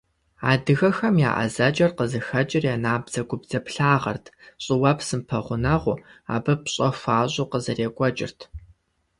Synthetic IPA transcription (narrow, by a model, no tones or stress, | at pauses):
a̰ːdɨɣɐxɐmja̰ːʔɐ̰zɐt͡ʃʼɐrqəzɨxɐt͡ʃʼɪrjaːnaːbzɐɡʷʊbd͡zɐpɬaːʁɐ̰rtʰɕʼɪwɐpʰsɨmpʰɐʁʷʊnɐʁʷʊa̰ːbɨpɕʼɐfʷaːɕʼʊqəzɐreːkʷʼɔt͡ʃʼɪ̰rtʰ